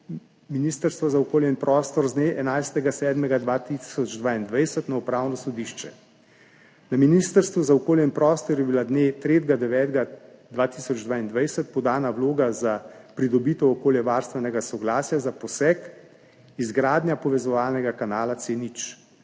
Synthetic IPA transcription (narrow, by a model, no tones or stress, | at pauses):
miniːst̪əɾst̪ʋɔzaɔkoːljɛinpɾɔːst̪ɔɾzd̪neʔɛnajst̪ɛɡasɛːd̪mɛɡad̪ʋaːt̪isɔd͡ʒd̪ʋaːind̪ʋajsɛt̪naupɾaːwnɔsɔd̪iʃt͡ʃɛ̰ | naminist̪əɾst̪ʋuzaɔkoːljɛinpɾɔːst̪ɔɾjɛbilad̪net̪ɾeːt̪ɡad̪ɛʋɛːt̪ɡad̪ʋaːt̪isɔd͡ʒd̪ʋaind̪ʋajsɛt̪̚pɔd̪aːnawloːɡazapɾid̪ɔbiːt̪ɛwɔkoːljɛʋaɾst̪ʋɛnɛɡasɔɡlaːsjazapɔsɛk | izɡɾaːd̪nʲjapɔʋɛzɔʋaːlnɛɡakanaːlat̪senit͡ʃ